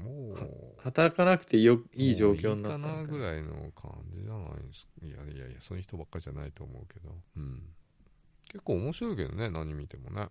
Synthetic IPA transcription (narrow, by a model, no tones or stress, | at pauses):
moːhahat̪aɾakanakt̪e̞joiːʑo̞ːkʲo̞ːnːaanaɡɯ̟ɾaino̞̰kʰã̰ɲd͡ʑiʑana̰ḭnsija̰ia̰ja̰sonoçi̥t̪obakːaɾʲiʑanait̪o̞ːmo̞ɯ̟ke̞d̪oɯ̟̃ɴ | ke̞kːoːmo̞ɕiɾo̞ike̞d̪o̞̰ne̞nãɲ̟ːimʲit̪e̞mo̞nḛ